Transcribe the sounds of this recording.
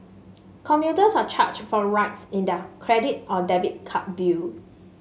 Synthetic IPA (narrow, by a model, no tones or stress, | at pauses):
kʰɔ̃mpjutəsat͡ʃʰat͡ʃtfɔɹaɪtsĩndəkʰɹɛdit̚ɔdɛvit̚kʰat̚bil